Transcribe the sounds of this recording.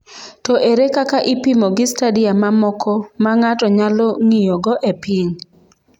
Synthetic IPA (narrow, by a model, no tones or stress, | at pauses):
tɔʔeɾekakaʔipimɔɡɪstadiamamɔkʰɔmaŋatɔɲalɔŋijɔɡɔʔepiɲ